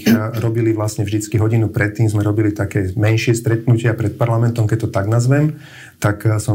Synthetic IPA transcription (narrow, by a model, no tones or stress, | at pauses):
ɾɔbiliʋlasɲɛvʒd̪it͡skiɦɔɟinupɾɛt̪ːiːmzmɛɾɔbilit̪akɛːmɛnʃɪɛst̪ɾɛt̪nucɪapɾɛt̪̚paɾlamɛnt̪ɔmkɛct̪ɔt̪aɡnazʋɛm | t̪aksɔ